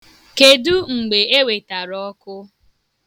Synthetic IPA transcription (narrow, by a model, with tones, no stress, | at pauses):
ke˨du˦ŋ͡m̩˨ɡ͡be˨e˦we˨ta˨ɾɔ˦kʊ˦